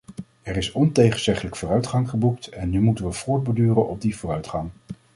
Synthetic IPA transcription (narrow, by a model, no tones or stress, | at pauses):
ɛrɪsɔntejχənz̥ɛχələkfʊːrœɥtχɑŋχəbuk̚tɛnːymutənʋəv̥ʊːɹd̚bədyːrənʔɔb̚divʊːrœɥtχɑŋ